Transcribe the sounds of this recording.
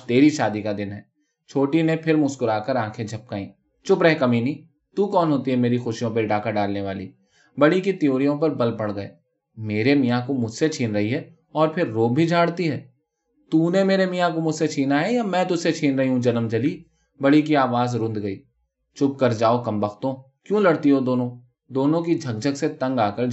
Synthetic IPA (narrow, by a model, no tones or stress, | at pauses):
t̪eːɾiʃaːd̪ikad̪ɪnɦɛː | t͡ʃʰoːʈinẽpʰɪɾmʊskʊɾaːkəɾãːkʰẽd͡ʒʱɐp̚kaːĩː | t͡ʃʊpɾɛɦɛkɐminiː | t̪uːkɔːnɦoːt̪iɦɛmeːɾixʊʃijõpɐɾɖaːkaɖaːlneʋaːliː | bɐɽikit̪ijoːɾijõp̬ɐɾbɐlpɐɽɡɐḛː | meːɾemijãkomʊd͡ʒʱset͡ʃʰiːnɾɐɦiɦɛː | ɔːɾpʰɪɾːoːb̚bʱid͡ʒʱaːɽt̪iɦɛː | t̪uːnemeːɾemijãkomʊd͡ʒset͡ʃʰiːnaɦɛjamɛ̃ːt̪ʊd͡ʒset͡ʃʰiːnɾɐɦiɦũd͡ʒɐləmd͡ʒɐli | bɐɽik̬iaːʋaːzɾʊ̃nd̪ɡɐḭː | t͡ʃʊp̚kɐɾd͡ʒaːokɐmbɐxt̪õ | kjũːlɐɽt̪iɦod̪oːnõ | d̪oːnõkid͡ʒʱɐɡ̚d͡ʒʱəɡset̪ɐ̃ŋɡaːkəɾ